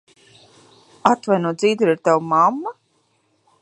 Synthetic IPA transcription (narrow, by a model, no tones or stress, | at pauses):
at̪vajnuɔd̪ziːd̪uɾiɾt̪awmamːa